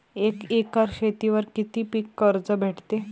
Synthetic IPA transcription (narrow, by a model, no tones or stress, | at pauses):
ekekaɾɕʰet̪iʋəɾkit̪iːpiːkːəɾd͡zəbʱeʈt̪e